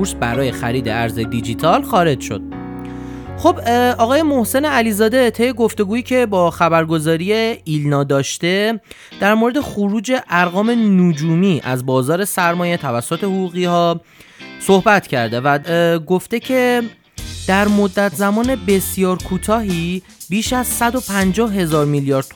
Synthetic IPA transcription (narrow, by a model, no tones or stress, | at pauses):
uɾsbæɾɒːje̞xæ̰ɾiːd̪e̞̰æɾze̞d̪id͡ʒit̪ʰɒlxɒːɾe̞d͡ʒʃo̞̰d̪̥̚ | xo̞bʔɒːɣɒːje̞mo̞hse̞neæliːzɒːd̪e̞t̪ʰe̞jːeɡo̞ft̪e̞ɡuːiːcʰe̞bɒːxæbæɾɡo̞zɒːɾije̞ilnɒːd̪ɒːʃt̪e̞ | d̪̥æɾmoɾed̪e̞xuɾuːd͡ʒe̞ʔæɾɣɒːme̞nud͡ʒuːmiːʔæ̰zbɒːzɒːɾe̞sæɾmɒːje̞t̪ʰævæsːot̪ʰe̞huɣuːɣihɒː | so̞hbæt̪ʰcʰæ̰ɾd̪e̞væɡo̞ft̪e̞cʰe̞ | d̪̥æɾmo̞d̪ːæt̪ʰzæmɒːne̞be̞sjɒːɾkʰuːt̪ʰɒːɦiː | biːʃæz̥sæd̪o̞pʰænd͡ʒɒːhɦe̞zɒːɾmiljɒːɾd̪̚